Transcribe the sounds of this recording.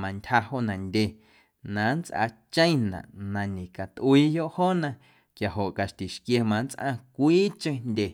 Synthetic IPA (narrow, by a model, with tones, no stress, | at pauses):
mã˧ntʲha˧ho˦ʔnã˨ndʲe˧ | nã˨˦nt͡sʔa̰˧t͡ʃə̃˦j̃nã̰˨ʔnã˧nĩ˨ka˨t̪ʔu˧iː˦jo˦ʔhoː˦nã˧ | kja˨ɦo˨ʔka˨ʃt̪i˨ʃkje˧mã˧nt͡sʔã̰˧kʷiː˦t͡ʃə̃˧˦ndʲe˨